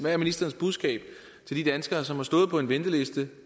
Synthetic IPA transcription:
ʋæɐminisd̥ɐːn̩sb̥uðˠsɡ̥ɛ̰ːb̥ | t͡sʰe̝ld̥id̥ænsɡ̥ɐːsɒ̽mhɑ̈sd̥ɔ̽ːð̞̩ˠpʰɒ̽e̝nʋend̥əle̝sd̥ə

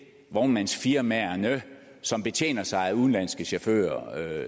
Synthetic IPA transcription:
ʋɒmænsfiɐmæɐnə | sɒ̽mb̥e̝t͡ɕʰḛːnɐsɑ̈ɪæuðˠn̩læn̰sɡ̥əɕefø̰ːɐ

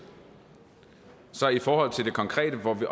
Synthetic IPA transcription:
sɒ̽ifɒːhɒ̽l̰t͡sʰe̝ld̥e̝kʰɒ̽ŋkʰʁɛ̰ːd̥əʋɒʋiʔ

